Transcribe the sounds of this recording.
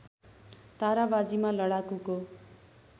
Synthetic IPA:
t̪aɾabad͡zimalʌɽakuko

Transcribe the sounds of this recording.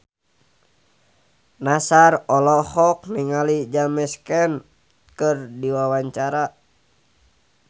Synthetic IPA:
nasarɔlɔhɔk̚niŋalid͡ʒamɛskɛn | kɨrdiwawaɲt͡ʃaɾa

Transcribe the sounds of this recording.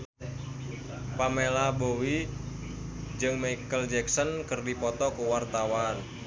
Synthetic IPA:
pamelabowi | d͡ʒɨŋmaijkəld͡ʒɛksɔnkɨrdipɔt̪ɔkuwart̪awan

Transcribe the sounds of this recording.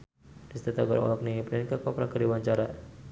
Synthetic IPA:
dist̪ɛt̪aɡɔ̰ɾɔ̰lɔk̚nipɾɛnkakapɾakaɾiwaɲt͡ʃaɾa

